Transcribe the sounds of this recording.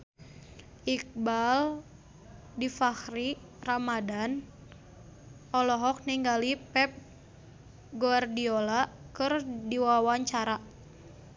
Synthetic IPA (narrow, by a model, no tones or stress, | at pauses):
ʔik̚bal | difahri | ramadan | ʔɔlɔɦɔk̚niŋɡalipɛp̚ | ɡoardiolakɨrdiwawaɲt͡ʃaɾa